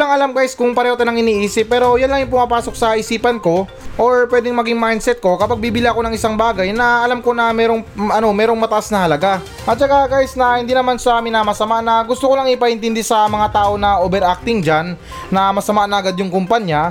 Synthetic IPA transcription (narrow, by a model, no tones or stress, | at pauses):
lɐŋʔɐlamɡajskʊŋpɐɾɛːhot̪ɐnɐŋɪniːʔiːsɪp̚ːɛːɾo̞janlɐŋjʊŋpʊmɐpaːso̞k̚sɐʔɪsiːpɐnko̞ | ʔoɹpwɛːd̪ɪŋmɐɡiŋmajnsɛt̪̚ko̞kɐpaɡ̚biːbɪliɐko̞nɐŋɪsaŋbaːɡɐjnɐɐlamko̞nɐmɛːɾoŋɐno̞mɛːɾoŋmɐt̪ɐʔasnɐhɐlɐɡa | ʔɐt̪̚t͡ʃɐkaɡajɪsnɐhɪnd̪iːnɐmansɐmɪnamɐsɐmaʔnɐɡʊst̪okolɐŋɪpɐʔɪnt̪ɪnd̪isɐmɐŋat̪aːʔo̞nɐʔoːbɛɾʔak̚t̪ɪŋd͡ʒanː | ɐmɐsɐmaʔnɐʔɐɡad̪̚jʊŋkʊmpaɲja